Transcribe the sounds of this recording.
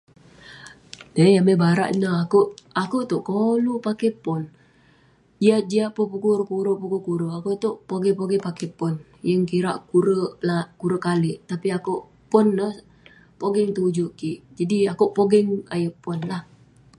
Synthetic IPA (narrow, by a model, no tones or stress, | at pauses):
nəjamebaɾa̰ʔnəakuʔakuʔt̪oʔkolupakepɔn | iad͡ʒiapʊpukuɾpuɾoʔpukukuɾoʔakuʔt̪uʔpoɡɛpoɡɛpakepɔn | jəŋkiɾaʔkuɾəlakuɾəkaliʔt̪apiakuʔ | pʊnːəh | poɡɪŋt̪ud͡ʒuʔkiʔd͡ʒadiakuʔpoɡɛŋa̰jəʔpʊnlah